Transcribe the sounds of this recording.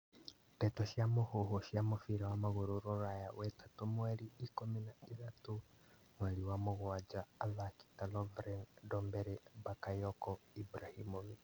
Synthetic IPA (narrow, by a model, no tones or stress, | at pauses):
tɛtɔʃjamohoɦoʃjamofiɾawamaɣoɾoɾɔɾajawɛtḁtomwɛɾiikominaiðato | mwɛɾiwamoɣwad͡ʒaːðaki̥talɔvɾɛndɔmbɛɾɛbakajɔkɔibɾahimoβi